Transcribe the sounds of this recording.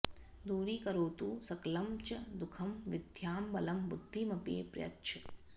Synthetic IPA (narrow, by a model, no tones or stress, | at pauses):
d̪uːɾiːkɐɾoːt̪uːsɐklɐmt͡ʃɐd̪ukʰɐmʋɪd̪ʱjaːmbɐlɐmbud̪ʱːimɐpeːpɾjɐ̰tt͡ʃʰɐ̥